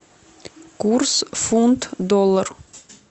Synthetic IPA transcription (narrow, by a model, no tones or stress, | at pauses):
kuɾsfunt̪d̪ɔlːaɾ